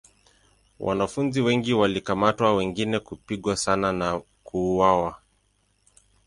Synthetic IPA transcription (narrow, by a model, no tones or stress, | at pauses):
wʔa̰nafunziwɛŋɡiwalikamatwawɛŋɡinɛkupiɠwasanana | kuːwawa